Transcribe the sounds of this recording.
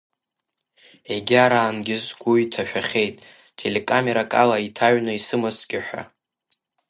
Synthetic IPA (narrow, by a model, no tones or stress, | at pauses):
eɡʲaɾaːnɡʲɪzɡʷuitʰaʃᶣaχʲe̞jtʼ | tʰe̞le̞kʼame̞ɾakʼalaitʰaɥnɨisɨmasɡ̥ʲɪħʷᶣa̰